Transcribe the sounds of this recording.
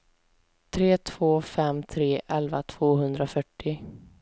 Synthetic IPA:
t̪ʰɾeːt̪ʰv̥oːfɛmt̪ʰɾeːʔɛlva̰t̪ʰv̥oːɦɵnd̪ɾafœʈːɪ

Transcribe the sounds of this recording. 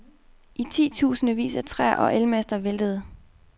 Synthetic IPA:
ʔit͡sʰḭːt͡sʰṵːsnəʋḭːsæt͡sʰʁɛ̰ɐʔɒ̽ʔelmæsd̥ɐʋeld̥əð̞̩ˠ

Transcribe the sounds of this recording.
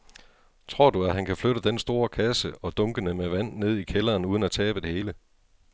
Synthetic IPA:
t͡sʰʁo̝ɐ̰d̥uæɦænkʰæfløɾəd̥ensd̥o̝ːɐkʰæsəɒ̽d̥ɔ̽ŋɡ̥ənəmeʋæn̰ːe̝ð̞̰ˠikʰelɐːnuːð̞ˠənæt͡sʰɛːb̥əd̥e̝he̝ːlə

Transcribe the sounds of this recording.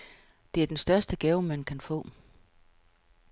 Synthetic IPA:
d̥e̝æɐd̥ensd̥ɶɐsd̥əɡ̥ɛːʊmænkʰænfɔ̰̽ː

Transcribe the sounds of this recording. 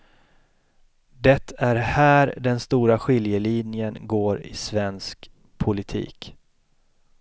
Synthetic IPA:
d̪ɛt̪ʰːæɾhæːɾɖɛnst̪uːɾaɧɪljəlinjənɡoːɾɪ̰svɛnsk | pʰʊlɪt̪ʰḭːk

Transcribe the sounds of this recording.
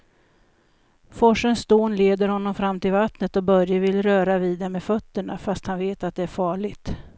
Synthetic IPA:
fɔʂənsd̪oːnleːd̪əɾhɔnːɔmfɾamːt̪ʰɪlvat̪nət̪ɔbœɾjavɪlːɾœːɾaviːd̪ɛmefœt̪ːəɳafast̪hanveːt̪at̪̚d̪ɛæɾfɑːɭɪɡt̪

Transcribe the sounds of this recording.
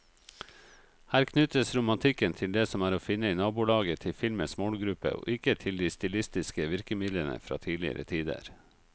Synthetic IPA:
hæːɾkʰnʉt̪əsɾʊmɑnt̪ʰɪkənt̪ʰɪld̪eːsɔmæːɾoːfɪnːəiːnɑːbuːlɑːɡət̪ʰɪfɪlməsmɔlɡɾʉpə̰ʔo̰ːʔɪkət̪ʰɪld̪iːst̪ɪlɪst̪ɪskəʋɪɾkəmɪd̪lənə̰fɾɑ̰ːt̪ʰiːlɪə̰ɾʔə̰t̪ʰiːd̪ə̰ɾ

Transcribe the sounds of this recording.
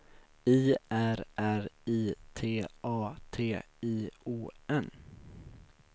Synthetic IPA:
iːʔæɾʔæɾiːt̪ʰeːʔɑːt̪ʰeːiːuːɛn

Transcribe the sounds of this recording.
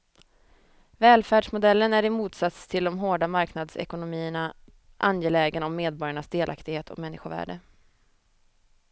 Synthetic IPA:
vɛːlfæːɖʂmʊd̪ɛlːənæɾɪmuːt̪sat̪st̪ʰɪld̪ɔmɦoːɖamaɾknad̪sɛ̰kʊnʊmiːəɳa | ʔanjeːlɛːɡənɔmːeːd̪̚bɔɾjaɳasd̪eːlʔa̰kt̪ɪɡheːt̪ʰɔ̰mɛnːɪɧʊvæ̰ːɖə

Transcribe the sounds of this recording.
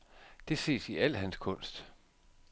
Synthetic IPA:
d̥e̝se̝̰ːsiʔæl̰ɦænskʰɔ̽n̰sd̥

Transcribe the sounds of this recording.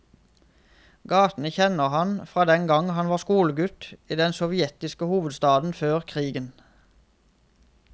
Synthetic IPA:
ɡɑːt̪n̩əçɛnəʁhɑnfʁɑːd̪ɛŋɡɑŋhɑnʋɑːskuːləɡʉt̪iːd̪ɛnsɔʋɪɛt̪ɪskəhuːʋəd̪st̪ɑːd̪n̩føːʁkʰʁiːɡən

